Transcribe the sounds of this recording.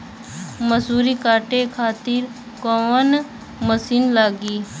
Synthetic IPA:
məsuːɾikaːʈekʰaːt̪ɪɾ | koːʋən | məsiːnlaːɡiː

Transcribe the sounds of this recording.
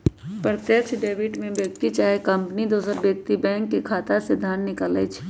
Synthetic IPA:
pɾət̪jəkʃɖeːbɪʈmẽbjək̚t̪it͡ʃaːɦekə̃mpnid̪oːsəɾbjək̚t̪ibɛ̃ːŋkːekʰaːt̪ased̪ʱaːnnɪkaːlət͡ʃʰ

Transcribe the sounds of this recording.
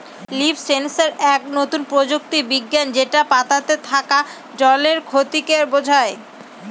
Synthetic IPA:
libsensaɾɛk̚not̪unpɾod͡ʑok̚t̪ibiɡːand͡ʑeʈapat̪at̪et̪ʰaka | d͡ʑɔleɾkʰot̪ikeɾbod͡ʑʱae

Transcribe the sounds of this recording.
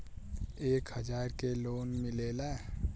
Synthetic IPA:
eːkɦəd͡ʒaːɾkeloːnmɪleːla

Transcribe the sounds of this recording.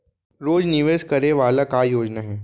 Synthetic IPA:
ɾoːd͡ʒnɪʋeskɐɾeʋaːlakajoːd͡ʒnaɦɛː

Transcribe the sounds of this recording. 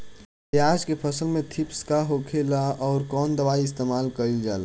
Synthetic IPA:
aːd͡ʒkepʰəsəlmẽt̪ʰipskaɦokʰelaɔːɾkɔːnd̪əbaːiɪst̪eːmaːlkəɾild͡ʒa̰ːla

